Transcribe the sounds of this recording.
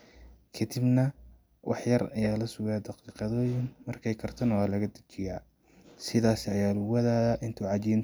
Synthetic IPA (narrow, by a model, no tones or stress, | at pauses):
kʰɐd̪ɪbnɐ | wʔɑ̰ħjɐrɐ̰jaːlɐsʊɣaːd̪ɑqiːqɑðɔːjɪŋmɐrkʰɛjkʰɐrt̪ʰɐnɐwaːlɐɣɐd̪ɐ̥t͡ʃɪjaː | sɪðaːsɪɐjaːlʊwɐðaːðɐʔɪnt̪ʰuʕɑt͡ʃiːn